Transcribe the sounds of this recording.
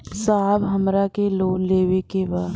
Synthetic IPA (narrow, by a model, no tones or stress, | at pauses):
saːbɦɐmɾakeloːnleːʋekebaː